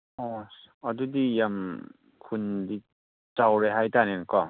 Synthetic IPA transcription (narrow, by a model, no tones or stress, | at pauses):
ɔ | ʌdudijam | kʰundi | t͡ʃawɾeɦajtanenkɔ